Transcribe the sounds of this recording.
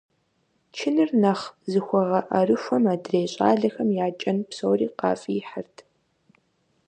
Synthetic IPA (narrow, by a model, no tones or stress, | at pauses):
t͡ʃʰɪnɨrnɐχzɨxʷɔʁɐʔɐrɨʃʷɔmaːdreːɕʼa̰ːɮɐxɐmjaːt͡ʃʼɐnpsowriːqɑ̰ːfʼiħərtʰ